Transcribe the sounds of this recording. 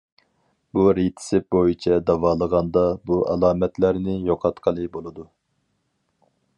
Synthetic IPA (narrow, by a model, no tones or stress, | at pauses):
buɾit̪ʰɪ̥sɪp̚bojit͡ʃʰɛd̪ɑwɑːlˠəʁɑnd̪ɑbuʔɑlˠɑːmɛt̪læɾnɪjoqʰɑt̪qʰəlˠɨbolˠɨd̪u